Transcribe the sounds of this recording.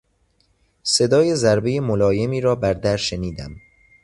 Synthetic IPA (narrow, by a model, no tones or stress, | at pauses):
se̞d̪ɒːje̞zæɾbe̞jemolɒːje̞miːɾɒːbæɾd̪æɾʃeniːd̪æ̰m